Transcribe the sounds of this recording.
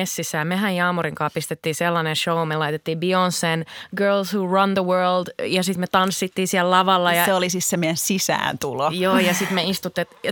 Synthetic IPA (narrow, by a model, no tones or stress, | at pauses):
esːisːæːmehæjɑːmuɾiŋkɑːppist̪et̪ːiːselːɑnenʃoumelɑit̪et̪ːiːbionsːenɡɜːlshurɑnðəwɜːldjɑsit̪met̪ɑnsːit̪ːiːsiɛllɑʋɑlːɑjɑseolisissemːojænsisæ̰ːnt̪ulojoːjɑsit̪meist̪ut̪ːiet̪